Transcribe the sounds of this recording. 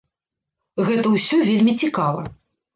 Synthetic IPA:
ɣɛt̪ɐwsʲɔvʲelʲmʲit͡sʲikavɐ̰

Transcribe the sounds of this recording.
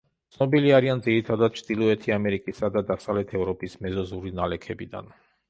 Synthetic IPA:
tt̪sʰnɔbiliaɾiand̪ziɾit̪ʰad̪ad̪̥̚t͡ʃʰd̪̥ilˠɔɛt̪ʰiamɛɾikʼisad̪ad̪asavlɛt̪ʰɛvɾɔpʼismɛzɔzuɾinalɛkʰɛbid̪a̰n

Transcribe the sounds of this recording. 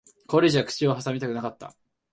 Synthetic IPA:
koɾʲeʑiakɯ̥t͡ɕiohasamʲit̪akɯ̟nakat̪ːa̰

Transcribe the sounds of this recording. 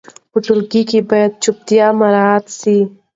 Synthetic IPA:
ʊʈulɡikibɐjt̪̚t͡ʃʰup̚t̪ijaːmɐɾaːt̪si

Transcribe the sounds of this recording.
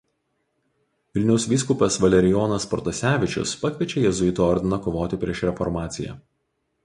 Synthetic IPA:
ʋʲɪlʲnʲɛʊsʲʋʲiːskuːpʲɐsʋɐlʲɛɾʲɪjɔːnɐspɔɾt̪ɐsʲæːʋʲɪt͡ʃʲʊ̰spɐkʲʋʲiɛt͡ʃʲejɛzʊɪt̪oɔɾʲd̪ʲɪnɐkɔʋoːt̪ʲɪpʲɾʲiɛʃɾʲɛfɔɾmɑːt̪sʲɪjɛ̰

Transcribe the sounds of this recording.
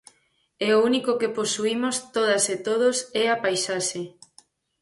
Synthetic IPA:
ɛounikokeposuimost̪oðaset̪oð̞ʊsɛapajsaʃe

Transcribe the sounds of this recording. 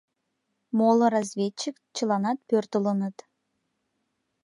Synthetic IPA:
molˠɤɾazʲvʲet͡ɕːik | t͡ɕəlˠɑnɑt̪̚pʲørt̪əlˠənət̪

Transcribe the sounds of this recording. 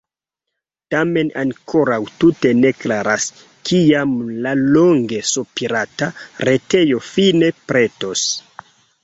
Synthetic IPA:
tame̞naŋkʰo̞ɾawtute̞ne̞klaɾas | kijamlaloŋɡe̞supiɾataɾete̞jo̞fine̞pɾe̞to̞s

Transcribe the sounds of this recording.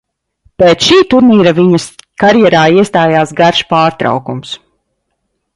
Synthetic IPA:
peːt̪sʃiːt̪uɾniːɾaviɲɐskaɾjɛɾaːiɛst̪aːjaːsɡaɾʃpaːɾt̪ɾa̰wkums

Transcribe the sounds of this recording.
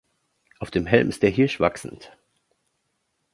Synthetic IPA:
ʔaʊfd̥eːmɦɛlmɪst̚d̥eːɐɦɪɐʃv̥aksn̩t

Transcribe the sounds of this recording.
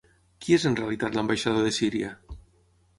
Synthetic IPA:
kiezenrealit̪at̪lambajʃaðoðesiɾja

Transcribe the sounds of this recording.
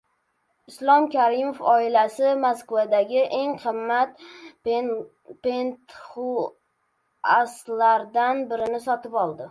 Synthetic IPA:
ɪslˠɒmkʲʰaɾɪmofɒɪlasɪmaskvad̪aɡʲɪʔe̞ŋqʰɨmːat̪̚ | pent̪χu | aslaɾd̪anbɪɾɪnɪsɒt̪ɪpɒlˠd̪ɪ

